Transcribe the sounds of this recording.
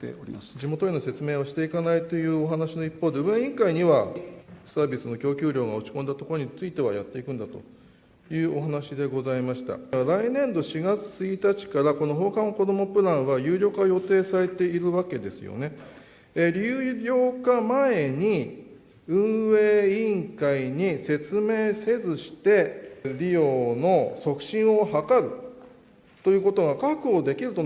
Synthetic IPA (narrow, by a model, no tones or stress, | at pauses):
t̪ḛoḭmasd͡ʑimo̞t̪oino̞se̞t͡sɨme̞ːβaɕi̥t̪e̞ikanait̪o̞jɯ̟ːo̞ɦanaɕino̞ipːoːd̪e̞ɯẽɰ̃ĩŋkaiɲ̟iβa | saːbʲisɨno̞kʲo̞ːkʲɨːɾʲo̞ːɡao̞t͡ɕi̥kõ̞nd̪at̪oko̞ɾo̞ɲ̟it͡sɨit̪e̞β̞ajat̪ːe̞ikɯ̟̃nd̪at̪o̞̰ | jɯ̟ːʔo̞ɦanaɕid̪e̞ɡo̞zaimaɕi̥t̪a̰aɾainẽ̞nd̪o̞ɕiɡat͡sɨ̥t͡sɨit̪at͡ɕi̥kaɾako̞no̞ɦo̞ːkãɰ̃ko̞d̪o̞mo̞pɯ̟ɾãɰ̃βajɯ̟ːɾʲo̞ːkajo̞t̪e̞ːsaɾe̞t̪e̞iɾɯ̟βake̞d̪e̞sɨ̰jo̰ne̞ | eɾʲɨːɾʲo̞ːkamae̞ɲ̟i | ɯ̟̃ɰ̃βeːĩŋkaiɲ̟ise̞t͡sɨme̞ːse̞zɨɕi̥t̪e̞ɾʲijo̞ːno̞so̞kɯ̟̥ɕĩɰ̃o̞hakaɾɯ̟ | t̪o̞jɯ̟ːko̞t̪o̞ɡakakɯ̟o̞d̪e̞kʲiɾɯ̟t̪o